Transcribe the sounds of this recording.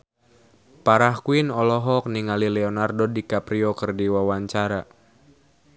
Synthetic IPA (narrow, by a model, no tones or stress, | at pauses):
paɾahkuinɔlɔɦɔk̚niŋalilɛɔnardodikapɾiɔkərdiwawaɲt͡ʃaɾa